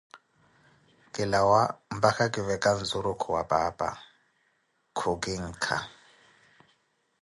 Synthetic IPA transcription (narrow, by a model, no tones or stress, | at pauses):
kʼɪlawam̩bakʰakʼɪβɛkʼan̩zʊɾʊkʰɔwapʼaːpʼa̰ | kʰʊkʼɪŋ̩ːkʰa̰